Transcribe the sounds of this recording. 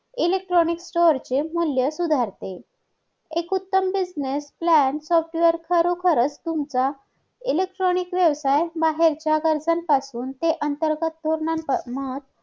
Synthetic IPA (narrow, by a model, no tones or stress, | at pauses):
ilek̚ʈɾoniksʈoɾt͡ɕemuljəsud̪ʱaɾt̪e | ekut̪ːəmbid͡znesplænsɔfʈʋəɾkʰəɾokʰəɾət͡st̪umt͡sa | ilek̚ʈɾɔnikʋjəʋsajbaɦeɾt͡ɕjaɡəɾd͡zanpasuːnt̪eʔənt̪əɾɡət̪̚ːoɾɳanmət̪̚